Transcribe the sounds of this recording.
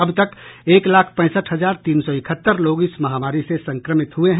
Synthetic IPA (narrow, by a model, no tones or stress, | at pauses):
əbt̪əkeːklaːkʰpɛ̃ːsəʈʰɦəzaːɾt̪iːnsɔɪkʰət̪ːəɾloːɡɪsmɐɦaːmaːɾisesɐ̃ŋkɾəmɪt̪ɦueɦ